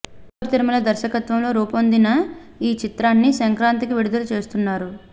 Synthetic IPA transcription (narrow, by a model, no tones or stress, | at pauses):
uɾt̪iɾimɐlɐd̪ɐɾʃɐkɐt̪ʋɐmlo̞ːɾuːpond̪inɐiːt͡ʃit̪ɾaːnːisɐŋkɾaːnt̪ikiʋiɽud̪ɐlɐt͡ʃe̞ːst̪unːaːɾu